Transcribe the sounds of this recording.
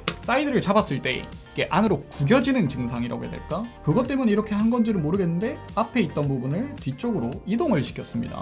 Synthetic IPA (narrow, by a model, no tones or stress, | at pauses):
s͈aidɯɾɯɭt͡ɕabas͈ɯɭt͈e̞̰ | ik͈e̞ʔanɯɾokuɡjʌd͡ʑinɯnt͡ɕɯŋsʰaŋiɾa̰ɡo̰jḛdwe̞̰ɭk͈akɯɡʌt͈e̞muneiɾʌkʰe̞hanɡʌnd͡ʑiɾɯɭmoɾɯɡe̞nːɯnde̞ | apʰe̞it̚t͈ʌnbubunɯɭtɥit͡ɕ͈oɡɯɾoidoŋɯɭɕʰi̥kʰjʌs͈ɯmɲḭda̰